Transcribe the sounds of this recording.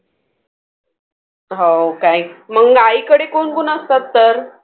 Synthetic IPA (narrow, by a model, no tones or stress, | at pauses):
ɦokajməŋaikəɽekoɳɡunəst̪at̪ːəɾ